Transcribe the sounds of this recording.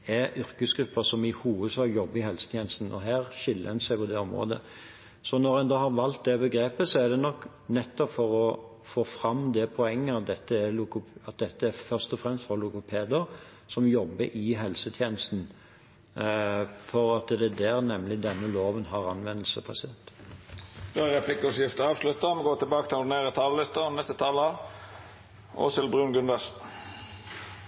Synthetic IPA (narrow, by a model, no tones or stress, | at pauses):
ɛʏɾʁkəsɡɾʉpːəsɔmɪhuːʋəd̪sɑːɡjɔbːəɾɪhɛlsə̥t̪ʰjeːnəst̪n̩ɔ̰ɦæːʁʃɪlːəɛnsæɪpʰɔd̪ɛɔmɾo̰ːd̪ə̰ | sɔnɔɾɛnd̪oːhɑɾʋɑlt̪̚d̪ɛbəɡɾeːpəsɔɛd̪ɛnɔkː | nɛt̪ːɔpfɔɾɔ | foːfɾɑmːd̪ɛpʰɔɛŋːəɑt̪̚d̪ɛt̪ːəɛlʊkʊɑt̪̚d̪ɛt̪ːəæfœʁʂt̪ɔfʁɛmst̪fɔlʊkʊpʰeːd̪əɾ | sɔmjɔbːəʔɪɦɛlsət̪ʰjeːnəst̪n̩ | fɔɾɑt̪d̪ɛd̪æːɾnɛmːlɪd̪ɛnːəloːʋənɦɑʁɑnʋɛnːəlsəbʰɑseːt̪ | d̪oæʁɛpʰlɪkɔsɪft̪əɑːʋʂlʉt̪ːəmɛɡoːt̪ʰɪlbɑːkət̪ʰɪlneːɾət̪ʰɑːləlɪst̪ənɛst̪ət̪ʰɑːləɑ | o̰ːsɪlbɾʉːnɡʉnd̪ɑs